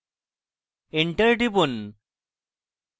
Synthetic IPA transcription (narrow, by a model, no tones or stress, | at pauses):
eɳʈəɾʈipun